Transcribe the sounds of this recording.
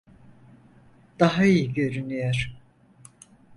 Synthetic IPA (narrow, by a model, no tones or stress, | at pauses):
d̪̥aɦaijiɟøɾynyjæɾ̥